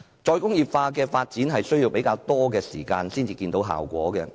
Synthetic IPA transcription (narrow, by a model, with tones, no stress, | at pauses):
t͡ʃɔː˧jkʊ˥ŋjiː˨˩p̚faː˧kɛː˧faː˧t̚t͡siː˨˥nɦɐ˨jsɵ˥ɥjiː˧wpe˨˥jkaː˧wt̪ɔː˥kɛː˧siː˨˩kaː˧nsiː˥nt͡siː˨˧kiː˧nt̪o˨˥wɦa̰ː˨˩wkʷɔː˨˥kɛː˧